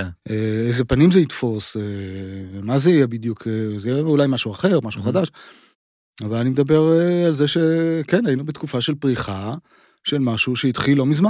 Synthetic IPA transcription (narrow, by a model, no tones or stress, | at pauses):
ʔeezepanimzeit̪fo̞se | mazeijɛbid̪jukʰezejɛulajmaʃuaχe̞ʁmaʃuχadaʃ | avalanimedabe̞ʁalzeʃekenajinubet̪kufaʃe̞lpʁiχa | ʃelmaʃuʃeit̪χilo̞mizma